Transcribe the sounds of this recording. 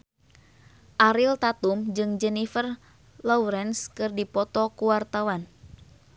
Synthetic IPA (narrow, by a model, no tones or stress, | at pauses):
ʔaɾilt̪at̪umd͡ʒɨŋd͡ʒɛnifər | lɔuɾɛnskɨrdipɔt̪ɔkuwart̪awan